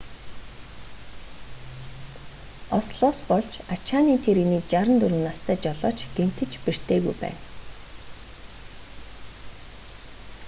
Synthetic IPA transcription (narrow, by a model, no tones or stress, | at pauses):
ɔsɮɔːspɔɮt͡ɕat͡ɕʰaːniːt̪ʰeɾiniːt͡ɕaɾə̆nt̪ɵɾɘ̆ːnast̪ʰæːt͡ɕɔɮɔ̰ːt͡ɕɡ̥em̥t̪ɘ̆t͡ɕpir̥t̪ʰeːɣujpæ̰ːn